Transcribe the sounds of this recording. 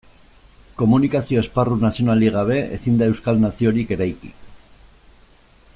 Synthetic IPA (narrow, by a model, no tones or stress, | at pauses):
ko̞munikasio̞e̞sparunasio̞naliɣaβ̞e̞ḛsind̪ae̞wskalnasio̞ɾike̞ɾajkḭ